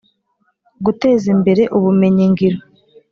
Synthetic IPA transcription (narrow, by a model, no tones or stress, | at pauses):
ɡute̞ːzimbe̞ɾe̞ʔuβume̞ɲiŋɡiɾo